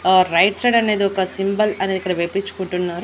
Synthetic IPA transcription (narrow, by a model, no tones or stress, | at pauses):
ɾɐjʈseɖɐnːeːd̪uɔkɐsimbɐlɐnːed̪uikːɐɽeʋepit͡ʃːu̥koɳʈunːaːɾu